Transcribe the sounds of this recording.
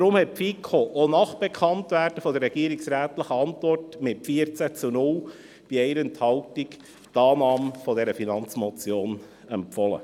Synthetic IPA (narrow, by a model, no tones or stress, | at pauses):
dɾʊmhɛt̚pfiːkʰoʔonɑχb̥ekʰɑntʋæːrd̥əfɔdərːɛɡiəɾiksɾæːt̪ləχəɑntvɔrtmɪtfiəɾt͡sæt͡sunʊl | b̥iɛɪɾənt̪hɑʊtik | tɑːnɑːmfɔdɛɾəfinɑnt͡smɔt͡sjoːn | ɛmpfɔlə̰